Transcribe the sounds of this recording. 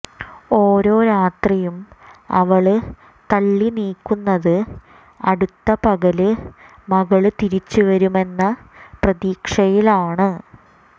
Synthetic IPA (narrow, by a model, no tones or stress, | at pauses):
o̞ːɾo̞ːɾaːt̪rijumɐ̰ʋɐɭɨ | t̪ɐɭːiniːkːunːɐðɨ | ɐɽut̪ːɐpɐɣɐlɨ | mɐɣɐɭɨt̪iɾit͡ɕːuʋɐɾume̞nːɐprɐðiːkʂɐjilaːɳɨ